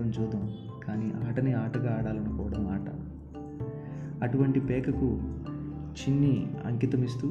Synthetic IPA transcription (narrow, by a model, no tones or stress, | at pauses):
ɐmt͡ʃuːd̪ɐm | kaːniːʔaːʈɐniaːʈɐɡaːɽaːlɐnɐkɔːʋɐɽɐmaːʈɐ̰ | ɐʈuʋɐɳʈipɛːkɐku | t͡ʃinːiɐ̰ŋkit̪ɐmist̪u